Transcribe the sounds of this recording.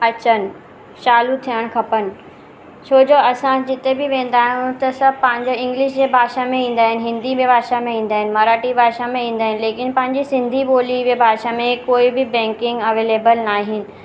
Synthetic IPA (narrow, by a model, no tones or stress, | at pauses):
ɐt͡ɕənɪ̆ | t͡ɕaːlut̪ʰijəɽ̃kʰɐpənɪ̆ | t͡ɕʰoːd͡ʑoːɐsãd͡ʑɪt̪ebɪʋẽːn̆d̪aːɦiʊ̃t̪ɐsɐbʱpɐ̃ɦɪ̃ɲd͡ʑoɪ̃ŋɡlɪʃd͡ʑeːbʱaːʃamẽĩːn̆d̪aːɦɪnɪ̆ɦɪ̃nd̪imẽbʱaːʃamẽĩːn̆d̪aːɦɪnɪ̆mɐːɾaːʈibʱaːʃamẽĩːn̆d̪aːɦɪnɪ̆leːkɪnpɐ̃ɦɪ̃ɲd͡ʑisɪ̃nd̪ʱiboːlibebʱaːʃamẽkoːibɪbɛ̃ːŋkɪ̃ŋɡɐʋeːleːbəlnaːɦɪnɪ̆